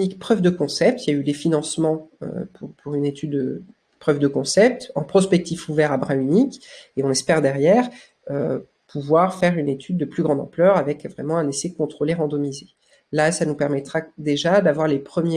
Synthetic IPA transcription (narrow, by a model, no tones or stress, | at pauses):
nikpχœvd̪əkɔ̃sɛp̚t̪iljaylefinɑ̃smɑ̃ø̰pʰuʁpʰuʁynet̪ʰyd̪ːə | pχœvd̪əkɔ̃sɛp̚t̪ɑ̃pχɔspɛk̚t̪ifuvɛʁabʁãynikeɔ̃nɛspɛʁd̪ɛʁjɛʁ | ø | pʰuvwaʁfɛʁynet̪ʰyd̪̚ːəplyɡʁɑ̃d̪ɑ̃plœʁavɛkvʁɛmɑ̃ɛ̃nesɛkɔ̃t̪χoleʁɑ̃d̪ɔmize | lasanupɛʁmɛt̪χad̪eʒad̪avwaʁlepχəmj